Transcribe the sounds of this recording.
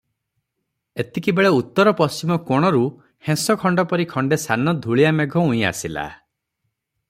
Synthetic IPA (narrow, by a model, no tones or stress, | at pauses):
et̪ikibeɭeut̪ːɔɾɔpɔst͡ʃimɔkoɽ̃ɔɾu | hẽsɔkʰɔɳɖɔpɔɾikʰɔɳɖesanɔd̪ʱuɭijameɡʱɔũĩa̰sila̰